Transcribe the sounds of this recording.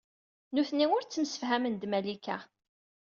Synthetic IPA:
nuθnːiʊɾt͡sːəmsə̥fɦæmənd̪mælikæ

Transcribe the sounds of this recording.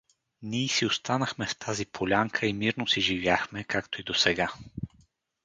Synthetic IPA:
niɛsiost̪anɐxmɛft̪ʰazipʰolʲaŋkʰəimiɾnosiʒivjaxmɛkakt̪oid̪osɛɡa

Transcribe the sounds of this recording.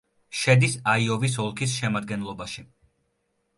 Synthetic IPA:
ʃɛd̪isaiɔvis̬ɔlˠkʰisʃɛmad̪̚ɡɛnlˠɔbaʃi

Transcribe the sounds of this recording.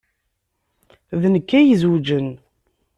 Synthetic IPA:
ðnəkːæjəzwud͡ʒən

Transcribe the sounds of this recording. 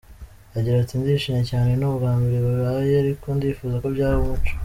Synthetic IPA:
aɟiɾatindiʃiɲecaːnenuβuɡaːmbiɾeβaβajeaɾikondiːfuːzako̞bɟaːɾiumut͡ʃo̥

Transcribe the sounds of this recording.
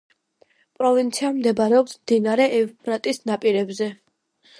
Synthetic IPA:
pʼɾɔvint̪sʰiamd̪ɛbaɾɛɔpsmd̪inaɾɛʔɛvpʰɾat̪ʼisnapʼiɾɛbzɛ

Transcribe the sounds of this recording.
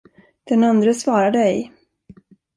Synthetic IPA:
d̪̥ɛnand̪ɾəsvɑːɾad̪əɛj

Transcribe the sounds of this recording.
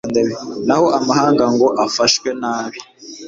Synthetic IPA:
ndeβenahoʔamaɦaːŋɡaŋɡoʔafaʃwenaːβi

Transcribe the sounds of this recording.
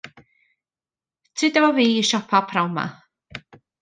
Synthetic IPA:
tʰɪd̪ɛvaviːiʃɔpʰapʰɾawma̰

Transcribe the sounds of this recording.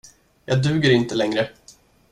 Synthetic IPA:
jɑːd̪ʉ̟ːɡəɾɪnt̪əlɛŋɾə

